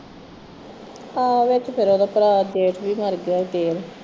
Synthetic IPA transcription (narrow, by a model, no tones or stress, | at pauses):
aːʋɪt͡ʃpʰɪɾoːd̪aːpɾaːd͡ʒeːʈʰbiːməɾɡaːit̪eːɾ